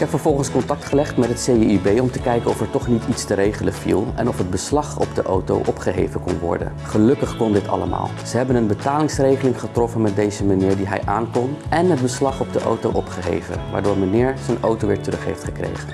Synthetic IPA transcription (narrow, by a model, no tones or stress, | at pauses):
ɪkɛpfəɹv̥ɔlˠχənskɔntɑk̚tχəlɛχtmɛtɦətsejybejɔmtəkɛjkənɔfɛɹtɔχnititstəɾejχələfḭlˠɛ̰nɔfɦəd̚bəslɑχɔbdəʔowto̰wʔɔpχəɦejvənkɔ̰nʋɔ̰ɹdə̰nχəlɵkəχkɔndɪtʰɑ̰ləma̰ːlˠz̥əɦɛbənənbətaːlɪŋsrejχəlɪŋχətrɔfənmɛt̚dejzəmaniːɹdiɦɛ̰jʔaːnkɔnɛnɦəd̚bəslɑχɔb̚dəʔo̰wtowʔɔpχəɦḛjvə̰nʋa̰ːɹdʊːɹmanɪːɹzənowtowʋɪɹtərɵχɦḛjftχəkrḛjχən